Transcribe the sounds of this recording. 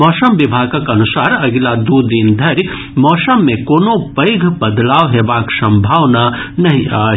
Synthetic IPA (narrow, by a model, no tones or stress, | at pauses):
ɔːsəmʋɪbʱaːɡakɐnʊsaːɾɐɡlad̪uːd̪ind̪ʱɐɾ | mɔːsəmːẽkoːnõpəɪɡʱbɐd̪laːʋɦeːbaːksɐ̃mbʱaːʋnanɐɦĩʔaː